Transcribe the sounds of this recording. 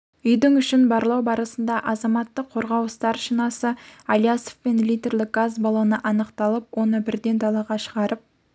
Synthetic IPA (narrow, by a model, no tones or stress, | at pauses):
ʏjd̪ɪŋʏʃɪnbɑɾlˠɑwbɑɾəsənd̪ɑʔɑzɑmɑt̪ːəqʰːo̞ɾʁɑwst̪ɑɾʃinɑsəɑlʲijaso̥fpe̞nlijd̪e̞rlʲˠɪk̚ɡazbɑlˠonəʔɑnəqt̪ɑlˠəpwo̞nəbɪɾd̪e̞nd̪ʰɑlˠɑʁɑʃəʁɑɾəp̚